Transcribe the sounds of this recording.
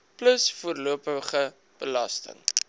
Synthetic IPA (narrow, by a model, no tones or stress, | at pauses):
pləsfuərluəpəχə | b̥əlɐstə̰ŋ